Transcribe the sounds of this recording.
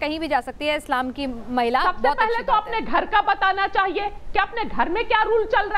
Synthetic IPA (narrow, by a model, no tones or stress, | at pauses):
kɐɦĩbʱid͡ʒaːsɐk̚t̪iɦɛɪslaːmkimɐɦɪlaːsɐb̪sbɔeːtpɛɦlet̪oɐpneɡʱɐɾkabɐt̪aːnat͡ʃaːɦiekeɐpneɡʱɐɾmẽkjaːɾuːlt͡ʃɐlɾɐ